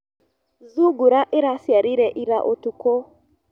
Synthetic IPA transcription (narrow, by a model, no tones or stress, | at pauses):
zuɡuɾaʔɪɾasjaɾiɾɛʔiɾaʔotuko